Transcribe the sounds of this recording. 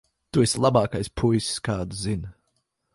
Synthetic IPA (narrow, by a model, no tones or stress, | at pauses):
t̪uɛsʲlˠabaːkajspʰujsskaːd̪uzin